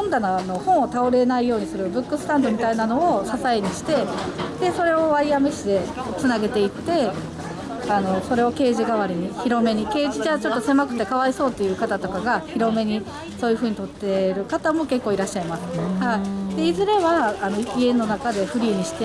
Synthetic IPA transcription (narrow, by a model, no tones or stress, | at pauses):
õnd̪anono̞hõ̞ɰ̃ot̪ao̞ɾe̞naijo̞ːɲ̟isɨɾɯ̟bɯ̟kːɯ̟sɨ̥t̪ãnd̪o̞mʲit̪ainano̞ːsasaeɲ̟iɕi̥t̪e̞d̪̥e̞so̞ɾe̞o̞βaɾʲijame̞ɕi̥t̪e̞t͡sɨnaɡe̞t̪e̞itt̪e̞ | ano̞so̞ɾe̞o̞ke̞ːʑiɡaβaɾʲiɲ̟içiɾo̞me̞ɲ̟ike̞ːʑid͡ʑaːt͡ɕo̞t̪ːo̞se̞makɯ̟t̪ːe̞kaβaiso̞ːt̪ːe̞jɯ̟ːkat̪at̪o̞kaɡaçiɾo̞me̞ɲ̟i | so̞ːjɯ̟ɸɯ̟ːɲ̟it̪o̞t̪ːe̞ɾɯ̟kat̪amo̞ke̞kːo̞ːiɾaɕːaimasɨ̥haid̪̥e̞izɨɾe̞βaːno̞ikʲiẽ̞nːo̞nakad̪e̞ɸɯ̟ɾʲiːɲ̟iɕi̥t̪e